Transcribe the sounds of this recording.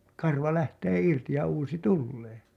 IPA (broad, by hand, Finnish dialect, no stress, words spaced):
kɑrʋɑ læhteː irti jɑ uːsi tulːeː